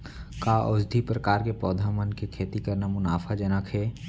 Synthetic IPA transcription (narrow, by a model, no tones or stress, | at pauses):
kaʔɔːsd̪ʱipɾəkaːɾkepɾɔːd̪ʱamənkekʰeːt̪ikɐɾnamʊnaːfʰad͡ʒɐnəkʰɦɛː